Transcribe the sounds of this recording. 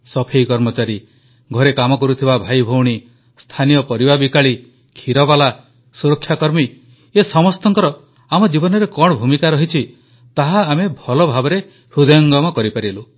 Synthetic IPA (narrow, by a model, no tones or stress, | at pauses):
sɔpʰejkɔɾmɔt͡ʃaɾi | ɡʱɔɾekamɔkɔɾut̪ʰibabʱajbʱowɽ̃i | st̪ʰanijɔpɔɾibabikaɭi | kʰiɾɔbala | suɾɔkʰːjakɔɾmi | esɔmɔst̪ɔŋkɔɾɔ | amɔd͡ʒibɔnɔɾekɔɽ̃ɔbʱumikaɾɔɦit͡ʃʰi | t̪aɦaːmebʱɔlɔbʱabɔɾe | ɾud̪ɔjɔŋɡɔmɔkɔɾipaɾielu